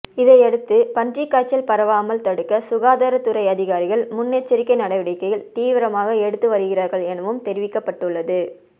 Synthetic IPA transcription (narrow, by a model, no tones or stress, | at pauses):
ɪðɐɪɛɽɯt̪ːɯpɐndrikːaːt͡ʃːɐlpɐɾɐʋaːmɐlt̪ɐɽɯkːɐsʊɣaːðaːɾɐt̪ːɯɾɐɪɐðɪɣaːɾɪɣɐɭmʊnːeːt͡ʃːɪɾɪkːɐɪnɐɽɐʋɪɽɐɪkːɐjɪlt̪iːʋɪɾɐmaːɣɐɛɽɯt̪ːɯʋɐɾɯɣɪraːɾɣɐɭɛnɐʋɯmt̪ɛɾɪʋɪkːɐpːɐʈːɯɭːɐðɯ